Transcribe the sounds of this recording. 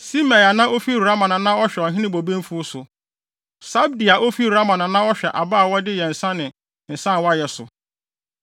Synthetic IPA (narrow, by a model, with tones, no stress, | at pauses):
si˦ma˨ja˨nã˦ʔo˦fi˦˨ɾa˦mã˨nã˨nã˦ɔ˦ɕᶣɛ˨ɔ˨ɦɪ̃˦nɪ̃˦bo˨bẽ˦m˦fu˦sʊ˨ | sa˦bdi˨a˨ʔo˦fi˦ɾa˦mã˨nã˨nã˦ɔ˦ɕᶣɛ˨ʔa˨baː˦˨wɔ˦dɪ˦jɛ˨n̩˨sã˦nɪ̃˨ | n̩˨sã˦n˨wɔ˦a˦jɛ˨sʊ̰˨